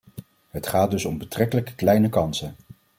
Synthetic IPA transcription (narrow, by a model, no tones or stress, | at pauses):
ɦətχaːd̚dɵsɔmbətrɛkələkə̥klɛjnəkɑnsən